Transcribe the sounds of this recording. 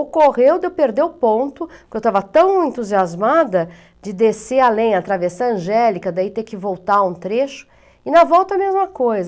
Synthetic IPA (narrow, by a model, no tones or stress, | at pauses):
okoʁewd̪epeɾd̪ewpõnt̪ʊkɪewt̪avɐt̪ɐ̃w̃ẽnt̪uziazmad̪ɐ | d͡ʒɪd̪esealẽj̃ɐt̪ɾavesɐ̃ɐ̃ʒɛlikɐd̪ait̪ekɪvowt̪aũt̪ɾeʃʊ̥ | ɪnɐvɔwt̪ɐmezmɐkojzɐ